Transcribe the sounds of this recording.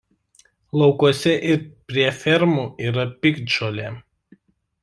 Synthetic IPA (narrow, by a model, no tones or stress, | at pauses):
lˠɒʊkuɔsʲɛʔɪɾpʲɾʲiɛfʲɛɾmuːiːɾɐpʲɪkd͡ʒoːlʲe